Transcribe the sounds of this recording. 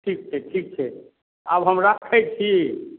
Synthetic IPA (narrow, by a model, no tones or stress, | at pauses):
ʈʰik̚t͡ʃʰɛʈʰik̚t͡ʃʰɛ | a̰bɦəmɾakʰɛt͡ʃʰi